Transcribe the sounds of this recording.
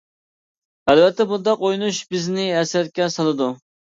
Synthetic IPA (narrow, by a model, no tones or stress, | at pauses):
ælvɛt̪ʰːɛbund̪ɑqojnuʃbɪznɪɛsɛɾkʲɛsɑlˠɨd̪u